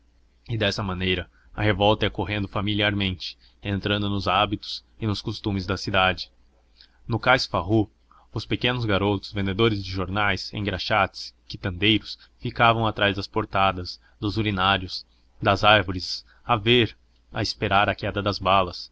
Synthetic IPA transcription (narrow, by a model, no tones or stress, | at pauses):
ɪd̪ɛsɐmɐ̃nejɾɐ | ɐhevɔwt̪ɐɛkoɦẽnd̪ʊfamiliaɾmẽnt͡ʃɪ̥ | ẽnt̪ɾɐ̃nd̪ʊnʊzabit̪ʊ̥z̥ɪnʊskost̪ũmɪzd̪ɐsid̪ad͡ʒɪ̥ | nʊkajsfaɦu | ʊspekẽnʊzɡaɾot̪ʊ̥zvẽnd̪ed̪oɾɪzd͡ʒɪʒoɾnajsḛ̃j̃ɡɾaʃat͡ʃ̪ɪ̥skɪt̪ɐ̃nd̪ejɾʊs | fikavɐ̃w̃at̪ɾajzd̪ɐspoɾt̪ad̪ɐz | d̪ʊzulinaɾiʊs | d̪ɐzaɾvoɾɪz | aveɾ | ɐ̰ɪspeɾaɾɐkɛd̪ɐd̪ɐzbalɐs